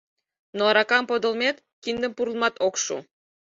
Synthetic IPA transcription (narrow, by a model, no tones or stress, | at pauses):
noɑɾɑkɑmpod̪ŏlˠmet̪ | kind̪ə̆mpuɾlˠmɑt̪okʃṵ